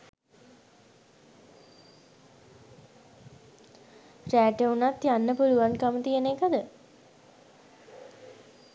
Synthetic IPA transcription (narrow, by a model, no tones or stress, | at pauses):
ræːʈəunat̪janːəpuluʋankəmət̪ijənekəd̪ə